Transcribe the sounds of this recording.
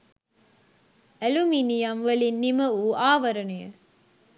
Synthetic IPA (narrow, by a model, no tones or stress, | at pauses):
æluminijɐmʋɐlinːimɐuʔaːʋɐɾɐnejə̰